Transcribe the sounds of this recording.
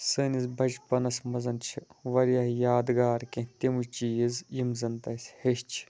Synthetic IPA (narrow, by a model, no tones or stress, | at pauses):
sɨnizbʱɐt͡ʃpɐnɐsmɐzɐnt͡ʃʰiʋɐɾjahjaːd̪ɡaːɾkʲẽt̪ʲemuʃt͡ʃiːzjimzɐnt̪ɐsʲheʃt͡ʃʰi̥